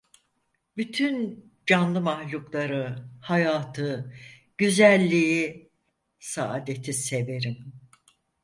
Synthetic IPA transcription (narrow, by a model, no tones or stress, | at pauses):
byt̪ʰyn | d͡ʒanlˠɯmahlʲuklˠaɾɯhajaːt̪ʰɯ | ɟ̥yzælʲːiji | saʔad̪e̞t̪ʰise̞ve̞ɾim